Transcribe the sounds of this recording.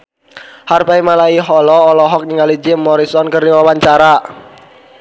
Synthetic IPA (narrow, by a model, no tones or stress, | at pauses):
harpaimalaiɦɔlɔːlɔɦɔk̚niŋalid͡ʒɪmːɔɾisɔnkərdiwawaɲt͡ʃaɾa